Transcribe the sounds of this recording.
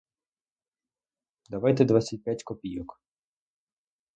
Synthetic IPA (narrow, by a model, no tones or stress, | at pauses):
d̪ɐʋajt̪ɛd̪ʋasʲɐt̚ʲpʲjatʲkɔpʲijɔk